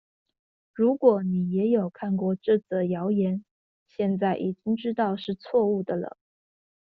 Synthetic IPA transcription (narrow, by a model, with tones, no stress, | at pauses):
ɻu˧˥kwɔ˨˧˥ni˨˩jɛ˧˥jo˨˩ʊkʰa˥˧nkwɔ˥˧˩ʈ͡ʂɤ˥˧˩t͡sə˥˩jɑ˧˥ʊjɛ˧˥n | ɕjɛ˥˧nt͡sa˥˩ɪʔi˨˩t͡ɕi˥ŋʈ͡ʂɻ̩˥t̪ɑ˥˧ʊʂɻ̩˥˧t͡sʰwɔ˥˧u˥˩d̪ə˩lə̰˩